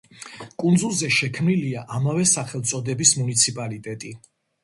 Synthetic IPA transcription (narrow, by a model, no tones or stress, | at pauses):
kʼund̪zulˠzɛʃɛkʰmniliaʔamavɛsaχɛlˠt̪sʼɔd̪ɛbismunit̪sʰipʼalit̪ʼɛt̪ʼi